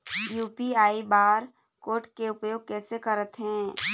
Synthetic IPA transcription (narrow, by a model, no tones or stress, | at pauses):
juːpiaːibaːɾ | koːʈkeʊpjoːɡ̚kɛːsekəɾət̪ɦɛ̃ː